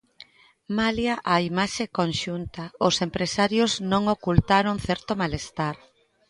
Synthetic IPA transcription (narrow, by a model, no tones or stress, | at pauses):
maljaʔaimaʃekonʃunt̪aʊsempɾesaɾjoznõŋokult̪aɾoŋθɛɾt̪omalest̪aɾ